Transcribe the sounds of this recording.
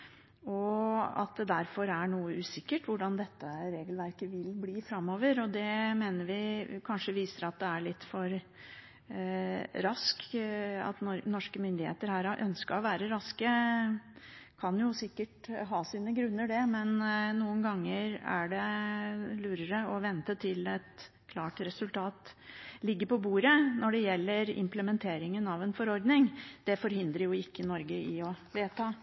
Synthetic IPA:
ɔɑ̰t̪̚d̪ɛd̪æɾfɔɾæɳuːəʉːsɪkːəʈʋʊɖɑnd̪ɛt̪ːəɾeːɡəlʋæɾkəʋɪlbliːfɾɑmːoːʋəɾɔd̪ɛmeːnəɾʋɪkʰɑnʂəʋiːsəɾɑt̪̚d̪ɛæɭɪt̪ːfɔɾ | ɾɑskɑ̰t̪nɔnɔʂkəmʏnd̪ɪhḛːt̪əɾhæːɾɑʔœnskəɾɔʋæːɾəɾɑskə | kʰɑnjʊsɪkːəʈɦɑːsiːnəɡɾʉnːəɖɛmɛnnuːənɡɑŋːəɾæ̰ɖɛ | lʉːɾəɾəɔʋɛnt̪ət̪ʰɪlɛt̪ | kʰlɑːʈɾɛsʉlt̪ʰɑːt̪lɪɡːəpʰɔbuːɾənɔɖɛjɛlːəɾɪ̰mpləmɛnt̪ʰeːɾɪŋənɑʋɛnfɔɾɔɾd̪nɪŋd̪̥ɛfɔɾɦɪnd̪ɾəjʊɪkːənɔɾɡəɪɔʋeːt̪ʰɑː

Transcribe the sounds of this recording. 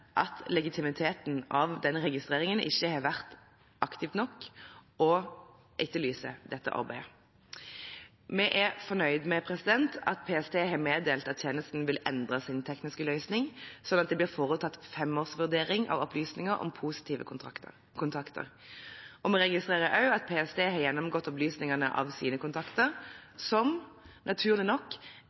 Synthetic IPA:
ʔɑt̪lɛɡɪt̪ʰɪmɪt̪ʰeːt̪nɑʋd̪ɛnʁɛɡɪst̪ʁeːʁɪŋənʔɪ̰çːəhɑːʋæʁt̪ | ʔɑkt̪ɪft̪nɔkːʔɔ | ʔɪtːəlyːsə̰d̪ɛt̪ːə̰ʔɑ̰ʁbæɪə | mɛʔɛfɔnœʏd̪mɛpʰʁɛsɪd̪ɛnt̪ʰɑt̪̚pʰeːɛst̪ʰeːɦɑmeːd̪eːlt̪ɑt̪t̪ʰjeːnəst̪n̩ʋɪlɛ̰nd̪ʁəsɪnt̪ʰɛknɪskəlœʏsnɪŋsɔnːɑt̪̚d̪ɛblɪːʁfoːʁʉt̪ʰːɑt̪ːfɛmoːʁsʋʉʁd̪eːʁɪŋʔɑ̰ʋɔplyːsnɪŋəʁɔ̰mpʰuːsɪ̥t̪ʰiːʋə̰ | kʰʊnt̪ʰɑkt̪ʰə̰ʁ | ɔmɛʁɛɡɪst̪ʁeːʁəʔɑʉɑt̪̚pʰeːɛst̪eːhɑːʁjɛnːɔmɡɔt̪ːɔplyːsnɪŋɑnə̰ʔɑ̰ʋsiːnəkʊnt̪ʰɑkt̪əʁsɔm | nɑt̪ʰʉːʁlɪnɔkː

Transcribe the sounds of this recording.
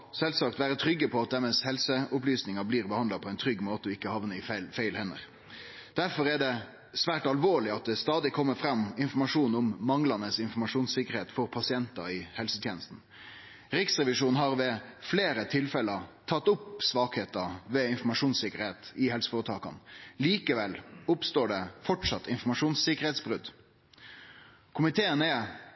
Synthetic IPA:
sɛlsɑkt̪ʋæːɾət̪ʰɾʏɡːəpʰɔɑt̪ɛmɛshɛlsəʊplyːsnɪŋɑbliːɾbəhɑnd̪lɑpʰɔɛɪnt̪ʰɾʏɡːmoːt̪əɔɪkːəhɑʋnəɪfɛlfæɪlhɛnːə̰ɾ | d̪̥æɾfɔɾɛɖɛ | sʋæːʈɑlʋoːɭɪɑt̪̚d̪ɛst̪ɑːd̪ɪkʰɔmːəfɾɑmːɪnfɔɾmɑʂuːnʊmːɑŋlɑnəsɪnfɔɾmɑʂuːnsɪkːəɾheːt̪fɔɾpʰɑsɪɛnt̪ɑɪhɛlsət̪ʰjeːnəst̪n̩ | ɾɪksɾɛʋɪʂuːnɦɑɾʋɛfleːɾət̪ʰɪlfɛləɾt̪ʰɑt̪ːʊpsʋɑːkheːt̪əʋɛɪnfɔɾmɑʂuːnsɪkəɾheːt̪ɪhɛlsə̥foːɾət̪ʰɑːkɑ̰nliːkəʋɛlʊpst̪oːɖɛfɔʈʂɑt̪ːɪnfɔmɑʂuːnsɪkəɾheːt̪sbʁʉd̪ | kʰʊmɪt̪ʰeːənɛ

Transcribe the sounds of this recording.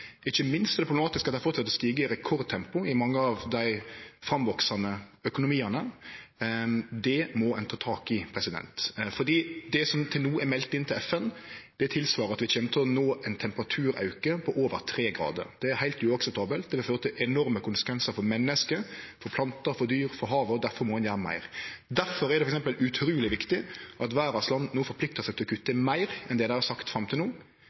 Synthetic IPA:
ɪçːəmɪnst̪d̪ɛpʰɾʊb̪ɛmɑːt̪ɪskɑt̪ɪɑfɔːt̪ʰːɪlɔst̪iːɡəɪɾɛkʰɔɾd̪̚t̪ʰɛmpʊɪmɑŋːəɑʋd̪æɪfɾɑmʋɔksɑnəœkʊnʊmiːənə | d̪ɛmɔɛnt̪ɑt̪ʰɑːkɪpʰɾɛsɪd̪ɛ̰nt̪fɔd̪iːd̪ɛsɔmt̪ʰɪlnuːæɾmɛlt̪ːɪnt̪ʰɪlɛfɛnd̪̥ɛt̪ʰːɪlsʋɑːɾəɑt̪ʋɪçeːnət̪ʰɪlɔnoːʔɛnt̪ʰɛmpəɾɑt̪ʰʉːɾɑ̰ʉkəpʰɔʔoːʋəɾt̪ʰɾeːɡɾɑ̰ːd̪ə̰ɾd̪̥ɛæɾhæɪlt̪ʉːɑksɛp̚t̪ʰɑːbəlt̪̚d̪ɛʋɪføːɾət̪ʰɪlʔɛnɔɾməkʊnsə̥kʋɛnsəɾfɔɾmɛnːəskəfɔɾpʰlɑnt̪əfɔd̪yːɾfɔɾɦɑːʋəɔd̪æɾfɔɾmɔhɑnjæːɾəmæ̰ɪɾd̪æɾfɔɾɛɾd̪ɛfɔɾɛksɛmpəlʉt̪ʰɾuːlɪʋɪkt̪ɪʔɑt̪ʋæːɾɑslɑnnuːfɔɾpʰlɪk̚t̪əsɛɡkt̪ʰɔkʰʉt̪ːəmæɪɾɛnd̪ɛd̪æɪhɑsɑkt̪fɾɑmt̪ʰɪlnuː

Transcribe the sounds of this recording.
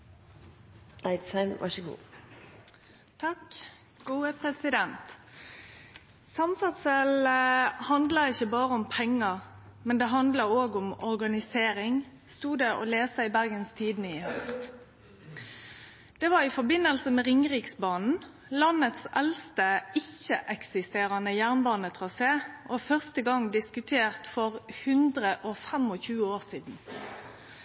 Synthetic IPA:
aɪt̪sɑɪmʋɑ̰çəɡṵː | t̪ʰɑk | ɡ̥uːəpʰʁɛsɪd̪ɛnt̪ | sɑmfɑt̪səlhɑnd̪lɑɪçəbɑːʁəʊmpʰɛŋːɑ | mɛnd̪ɛɦɑnd̪lɑoːɡʊmɔɾɡɑnɪseːɾɪŋ | st̪uːd̪ɛɔ̰leːsəɪbæʁɡənst̪ʰiːd̪nəɪhœst̪ | d̪̥ɛʋɑʁɪfɔbɪnəlsəmɛʁɪŋʁiːksbɑːnn̩ | lɑnət̪sʔɛlst̪əɪçəʔɛksɪst̪eːʁɑnəjæʁnbɑːnət̪ʰʁɑseːʔɔfœʁst̪əɡɑŋd̪ɪskʉt̪ʰeːʁt̪fɔʁhʉnd̪ʁəʔɔfɛmɔçʉːəoːʁsiːd̪n̩

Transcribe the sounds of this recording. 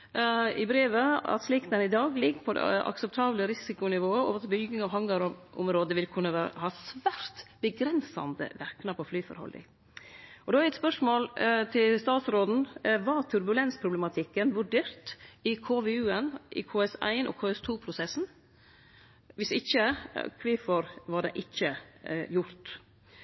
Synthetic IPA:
ɪbɾeːʋəɑ̰t̪sliːkt̪ɛnɪd̪ɑːɡlɪɡːpʰɔd̪ɛ̰ʔɑ̰ksəp̚t̪ʰɑːbləɾɪsɪkʊnɪʋoːəo̰ːʋət̪ʰɪlbʏɡɪŋɑʋɦɑŋɡɑɾʔʊ̰mɾoːd̪əʋɪlkʰʉnːəʋæɾhɑːsʋæɾt̪b̥əɡɾɛnsɑ̰nd̪ə̰ʋæɾknəpʰɔflyːfɔ̰ɾhɔ̰lɪ̰ | ʔɔd̪ɛæɾɛt̪spœʂmoːlt̪ʰɪlst̪ɑːt̪sɾoːd̪n̩ʋɑt̪ʰʉɾbʉlɛnspʰɾʊblɛmɑt̪ʰɪkːənʋʉɖeːɾt̪ɪkʰoːʋɛʉːənʔɪ̰kʰoːɛsæ̰ɪnʔɔ̰kʰoːɛst̪ʰuːpʰɾʊsɛsn̩ | ʋɪsɪçəkʰʋɪfɔɾʋɑɖɛ̰ʔɪçːəjʊɾt̪

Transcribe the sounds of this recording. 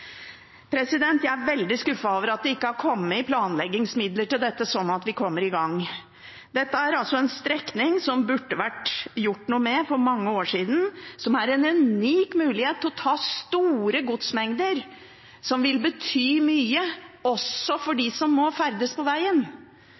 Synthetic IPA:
pʰɾɛsɪd̪ɛnt̪jæɪæɾʋɛld̪ɪskʉfːɑoːʋəɾɑt̪̚d̪ɛɪkːəhɑɾkʰɔmːəɪpʰlɑːnlɛɡːɪŋsmɪd̪ləʈɪld̪ɛt̪ːəsɔnːɑt̪ʋɪkʰɔmːəɾɪɡɑŋː | d̪ɛt̪ːəæɾɑlsɔɛnst̪ɾɛknɪŋsɔmbʉʈːəʋæʈjʊʈːnuːəmɛfɔɾmɑŋːəoːʂiːd̪n̩sɔmæɾɛnʉnyːkmʉːlɪheːt̪ːʰɔt̪ʰɑːst̪uːɾəɡʊt̪smɛŋd̪əɾ | sɔmʋɪlbət̪ʰyːmyːəɔsːɔfɔɖɪsɔmːɔfæɾd̪əspʰɔʋæɪən

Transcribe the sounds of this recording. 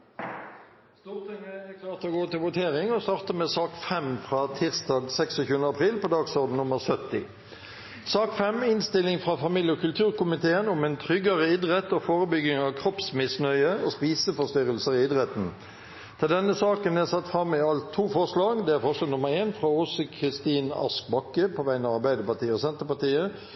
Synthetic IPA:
st̪uːʁt̪ɪŋəækʰlɑːʁt̪ɔɡoːt̪ɪlʋʊt̪ʰeːʁɪŋɔst̪ɑːʁt̪əmɛsɑːkfɛmfʁɑːt̪ʰɪʁsd̪ɑːɡsɛksɔçʉːənɑpʰʁiːlpɔd̪ɑːɡsɔʁd̪n̩nʊməʁsœt̪ːɪ | sɑːkfɛmɪnst̪ɪlːɪŋfʁɑfɑmiːljəɔkʰʉlt̪ʰʉːʁkʊmɪt̪ʰeːənʊmɛnt̪ʰʁʏɡɑʁəɪd̪ʁɛt̪oːfoːʁəbʏɡɪŋɑʋkʰʁɔpsmɪsnœʏəospiːsəfɔʁst̪ʏʁəlsəʁɪɪd̪ʁɛt̪n̩ | t̪ʰɪld̪ɛnːəsɑːkənæsɑt̪fɾɑmːɪɑlt̪ʰːuːfɔʁʂlɑːɡd̪ɛæɾfɔʁʂlɑːɡnʊməɾeːnfʁɑɔsəkʰʁɪst̪iːnɑ̰sk̚bɑkːəpʰɔʋæɪnɑʋɑɾbæɪd̪əpɑt̪ʰiːəɔsɛnt̪əpɑt̪iːə

